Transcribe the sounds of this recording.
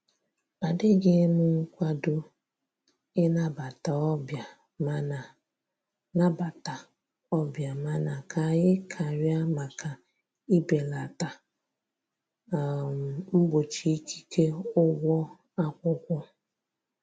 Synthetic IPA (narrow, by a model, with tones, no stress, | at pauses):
ba˨dɪ˦ɡɪ˦mʊ˦ŋ̩˦kʷa˦dʊ˦ | ɪ˦na˦ba˨ta˨˦ba˨˦ | na˨ | na˦ba˨ta˨ | ɔ˦bja˨ma˦na˨kʰa˨jɪ˦kʰa˨ɾja˦ma˨kʰa˨ | i˦be˨la˨ta˨ | m˨m̩˦bo˨t͡ʃi˦i˦kʰi̥˦ke˦ʊ˦ɡʷɔ˦ | a˦kʷʊ˦kʷɔ˦